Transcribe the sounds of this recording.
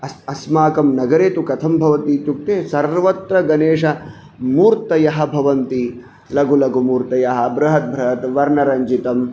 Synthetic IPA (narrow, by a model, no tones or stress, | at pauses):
ɐsɐsmaːkɐmnɐɡɐɾeːt̪ukɐt̪ʰɐmbʱɐʋɐt̪iːt̪juk̚t̪eːsɐɾʋɐt̪ɾɐɡɐneːʂɐ | muːɾt̪ɐjɐɦɐ̆bʱɐʋɐnt̪i | lɐɡulɐɡumuːɾt̪ɐjɐɦɐ̆bʱɾɐɦɐt̪̚bʱɾɐɦɐt̪ʋɐɾnɐɾɐɲd͡ʒit̪ɐm